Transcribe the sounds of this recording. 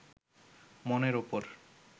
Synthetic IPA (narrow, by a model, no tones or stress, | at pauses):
moneɾopoɾ